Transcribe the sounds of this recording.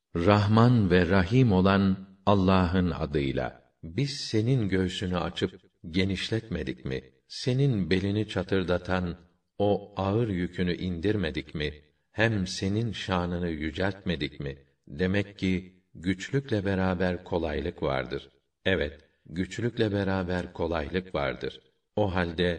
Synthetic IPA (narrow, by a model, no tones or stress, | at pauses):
ɾaɦmanvɛɾaɦimo̞lˠan | alˠːaːɦɯna̰d̪ɯjlˠa̰ | biz̥se̞ninɟø̞jsynya̰t͡ʃʰɯp̚ | ɟe̞niʃlʲɛt̪me̞d̪icmḭ | se̞ninbe̞lʲinit͡ʃʰat̪ʰɯɾd̪at̪ʰan | o̞aɯɾjycʰynyʔind̪iɾme̞d̪icmi | hæmse̞ninʃaːnɯnɯjyd͡ʒælʲt̪me̞d̪icmi | d̪e̞mɛcːi | ɟyt͡ʃlʲycʲlʲɛbe̞ɾaːbæɾkʰo̞lˠajlˠɯkva̰ɾd̪ɯɾ̥ | ɛvɛt̪ | ɟyt͡ʃlʲycʲlʲɛbe̞ɾaːbæɾkʰo̞lˠajlˠɯkva̰ɾd̪ɯ̰ɾ̥ | oɦalʲd̪ɛ